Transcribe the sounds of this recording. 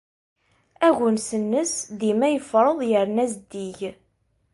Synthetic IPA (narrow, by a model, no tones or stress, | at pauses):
æʝənsənːəsðimæjəfɾˤəðˤjəɾnæzd̪iʝ